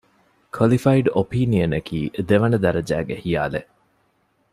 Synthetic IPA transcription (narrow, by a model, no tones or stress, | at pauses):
kʰɐlifɐiɖopiːniɐnɐkʰiːʔd̪eʋɐnɐd̪ɐɾɐd͡ʒæ̰ːɡehija̰ːle